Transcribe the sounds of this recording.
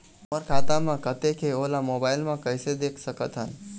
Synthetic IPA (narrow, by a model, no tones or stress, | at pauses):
məɾkʰaːt̪amãkət̪ekʰeoːlamoːbaːɪlmãkəɪsed̪eːkʰsəkət̪ɦən